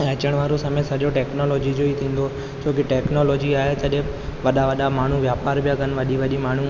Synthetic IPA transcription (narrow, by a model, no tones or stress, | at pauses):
ɐt͡ɕəɽ̃ʋaːɾosɐmesɐʄoʈɛːknoːlɔːd͡ʑid͡ʑoːit̪ʰĩːn̆d̪o | d͡ʑoːkɪʈɛːknoːlɔːd͡ʑiaːɦet̪ɐɗẽ | ʋɐɗaʋɐɗamaːɳ̤uʋjaːpaːɾbijakɐn̆ʋɐɗiʋɐɗimaːɳ̤u